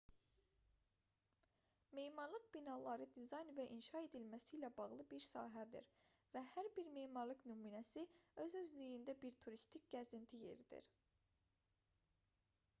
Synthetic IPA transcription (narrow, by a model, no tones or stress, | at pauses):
mejmɑɾlˠɯqbinɑlˠɑɾɯd̪izɑjnvæʔinʃɑe̞d̪ilmæsilæbɑɣlˠɯbiɾsɑ̰ːɦæd̪ḭɾvæhæɾbiɾmejmɑɾlˠɯknumunæsiø̞zøzlyjynd̪æbiɾt̪ʰuɾist̪ʰic̚ʲɡ̥æzint̪ʰije̞̰ɾid̪̥ḭɾ